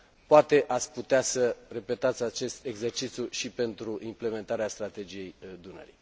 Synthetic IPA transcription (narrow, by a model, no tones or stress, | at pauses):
poat̪e̞ʔat̪sʲput̪easəre̞pe̞t̪at̪sʲat͡ʃe̞st̪e̞ɡze̞rt͡ʃit̪sʲjuʃipe̞nt̪ɾuʔimple̞me̞nt̪aɾeast̪ɾat̪e̞d͡ʒije̞jd̪unə̰ɾḭ